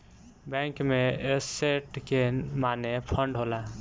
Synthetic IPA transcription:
bɛ̃kmeeseʈkemanepʰəɳɖɦola

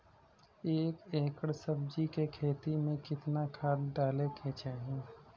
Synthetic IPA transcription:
eːkeːkəɽsəb̚d͡ʒikekʰeːt̪imẽkɪt̪nakʰaːɾɖaːlekʰeːt͡ʃaːɦẽː

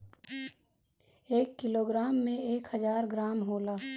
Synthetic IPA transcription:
eːkːɪloɡɾaːmːẽeːkhəzaːɾɡɾaːmɦoːlaː

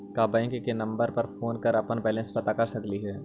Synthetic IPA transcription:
kaːbəɪ̃kkenɐ̃mbəɾpɐɾfoːnkɐɾɐpənbɛːlə̃nspɐt̪akɐɾsɐkliɦɛː

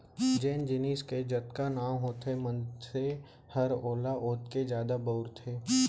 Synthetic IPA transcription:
d͡ʒeːnd͡ʒɪniːsked͡ʒət̪kanaːmɦoːt̪ʰemə̃nse | həɾoːlaʔoːt̪ked͡ʒjaːd̪abəʊɾt̪ʰeː

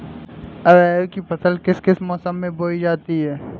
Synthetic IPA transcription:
ɐɾɛːkipɐt̪əlkɪskɪsmɔːsəmːẽboːid͡ʒaːt̪iɦɛː

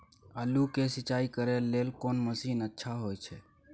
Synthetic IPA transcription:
əlukesɪt͡ʃaːikəɾelːeːlkoːnməsiːnətːʃʰaɦoːjt͡ʃʰe

